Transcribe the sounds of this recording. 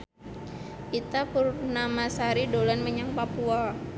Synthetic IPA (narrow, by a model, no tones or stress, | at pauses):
kit̪apurnamasaɾidolanməɲaŋpapua